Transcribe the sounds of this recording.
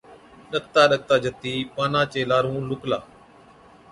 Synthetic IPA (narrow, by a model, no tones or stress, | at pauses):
ɗəkt̪aːɗək̚t̪aːd͡ʒət̪iːpaːnaːt͡ʃeːlaːɾũːlʊklaː